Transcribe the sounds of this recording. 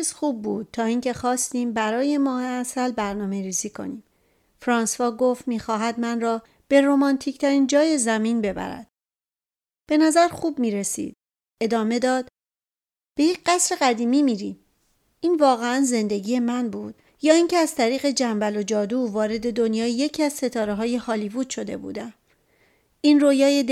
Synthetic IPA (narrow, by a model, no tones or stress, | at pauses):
ezxuːb̚ːuːd̪̚t̪ʰɒːiːŋcʰe̞xɒːst̪iːmbæɾɒːje̞mɒːheæsælbæɾnɒːme̞ɾiːziːkʰo̞̰niːm | fɾɒːnsvɒːɡo̞ft̪miːxɒːɦæd̪mænrɒː | b̥e̞ɾoːmɒnt̪ʰict̪ʰæɾiːnd͡ʒɒːje̞zæmiːnbe̞bæ̰ɾæ̰d̪̥ | b̥e̞næzæɾxuːbmiːɾesḭːd̪̥ | e̞d̪ɒːme̞d̪ɒːd̪̥ | b̥e̞jecɢæsɾe̞ɣæd̪iːmiːmiːɾḭːm | iːnvɒːɣe̞ænze̞nd̪e̞ɡiːje̞mænbuːd̪̥ | jɒːiːncʰeæz̥t̪ʰæɾiːɣe̞d͡ʒæmbælo̞d͡ʒɒːd̪uːvɒːɾe̞d̪e̞d̪o̞njɒːjeje̞cʰiæzse̞t̪ʰɒːɾeɦɒːje̞hɒːliːvuːd̪̥ʃo̞d̪e̞̰bṵːd̪æm | iːnroːjɒːjed̪